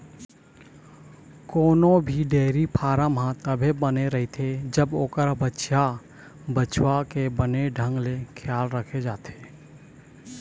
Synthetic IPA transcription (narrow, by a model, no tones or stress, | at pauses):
koːnobʱiɖeːɾipʰaːɾəmɦãt̪əbʱebəneɾəɦit̪ʰed͡ʒəboːkəɾbətːʃʰa | bət͡ʃwakebəneɖʱə̃ŋɡlekʰjaːlɾəkʰed͡ʒaːt̪ʰe̥ː